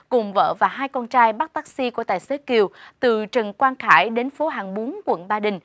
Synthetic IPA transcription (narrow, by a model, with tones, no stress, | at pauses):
kʊ˨˩ŋ͡mvə̰ː˧˨vaː˨˩ɦaː˧jkɔ˧nt͡ɕaː˧jɓa˦˥t̚t̪aː˦˥k̚si˧ku˧˩ət̪a̰ː˨jse˨˦ki˨˩əwt̪ɨ˨˩t͡ɕə˨˩nkwaː˧nxaː˧˩jɗe˨˦nfo˨˦ɦaː˨˩ŋɓo˨˦nkwə̰˧˩nɓaː˧ɗï˨˩ŋ̟